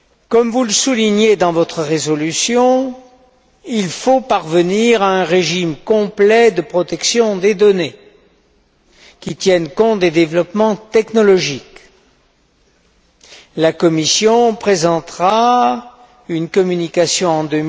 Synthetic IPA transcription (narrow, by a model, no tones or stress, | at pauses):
kɔmvuləsuliɲed̪ɑ̃vɔt̪χəʁezɔlysjɔ̃ | ilfopaʁvəniʁaɛ̃ʁeʒimkɔ̃plɛd̪əpχɔt̪ɛksjɔ̃d̪ed̪ɔne | kʲit̪jɛnkɔ̃t̪̚d̪ed̪evlɔpmɑ̃t̪ɛknɔlɔʒik | lakɔmisjɔ̃pχezɑ̃t̪ʁa | ynkɔmynikasjɔ̃ɑ̃d̪ø